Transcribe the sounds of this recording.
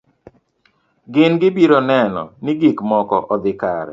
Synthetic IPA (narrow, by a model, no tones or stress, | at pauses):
ɡɪnɡɪbiɾɔnɛnɔ̰nɪɡɪkmɔkɔʔɔd̪ɪkaɾɛ̰